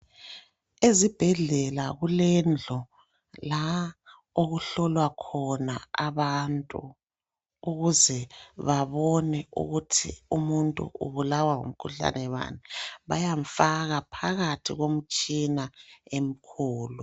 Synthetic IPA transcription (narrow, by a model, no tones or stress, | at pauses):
ezib̥ʱɛɮɛlaɣulɛnd͡ɮʱɔ | la | oɣuɬɔlwakʰɔnaaβantʼu | uɣuzɛβaβɔnɛṵɣutʰḭumuntʼṵʔṵβulawaŋo̰m̩kʰuɬa̰nɛβa̰nɛβajaɱfaɣapʰaɣatʰiɣom̩t͡ʃʼinaem̩kʰuːlu